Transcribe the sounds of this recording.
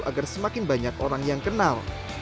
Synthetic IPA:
ʔa̰ɡarsəmakɪnbaɲakoɾaŋjaŋkənal

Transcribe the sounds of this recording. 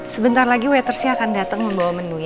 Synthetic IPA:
səbənt̪arlaɡiwɛt̪ərsiaakandat̪əŋməmbawamənuj

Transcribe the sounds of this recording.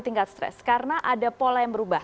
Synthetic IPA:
t̪iŋkat̪̚st̪ɾɛ̰skaɾənaʔadapolajaŋbəɾubah

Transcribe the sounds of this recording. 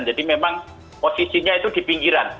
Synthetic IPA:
nd͡ʒadimemaŋ | posisiɲait̪ud̪̥i̤piŋɡiɾan

